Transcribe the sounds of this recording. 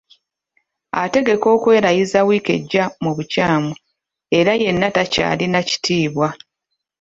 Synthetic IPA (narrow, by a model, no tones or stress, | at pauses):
ate̞ɡe̞ko̞ːkwe̞ːɾajizawiːke̞̰ɟːamuβucaːmu | e̞ɾaje̞nːataca̰ːlinaci̥tʰiːβwa